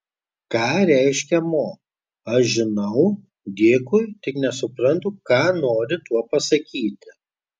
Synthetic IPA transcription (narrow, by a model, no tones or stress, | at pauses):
kɑːɾʲæˑɪʃʲkʲɛmoː | ɐʃʒʲɪnɐʊ | d̪ʲeːkʊɪt̪ʲɪknʲɛsʊpɾɐnt̪ʊkɑːnoːɾʲɪt̪uɔpɐsɐkʲiːt̪ʲɪ